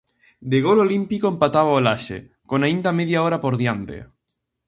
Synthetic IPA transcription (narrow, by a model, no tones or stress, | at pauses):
d̪eɣ̞ololimpikoempat̪aβ̞aolaʃḛ | konaind̪ameðjaoɾapoɾðjant̪ḛ